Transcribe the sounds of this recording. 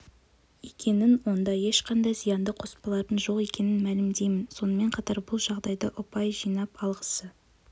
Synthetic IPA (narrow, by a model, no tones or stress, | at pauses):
ekʲʰe̞nɪnwo̞nd̪ɑje̞ʃqʰɑnd̪ɑjzijɑnd̪əqʰo̞spɑlˠɑɾt̪ənʒo̞qe̞kʲe̞nɪnmælɪmd̪e̞jmɪnso̞nəme̞ɴqʰɑt̪ɑɾbʊlˠʒɑʁd̪ɑjd̪əʔʊpɑjʒijnɑpɑlˠʁəsə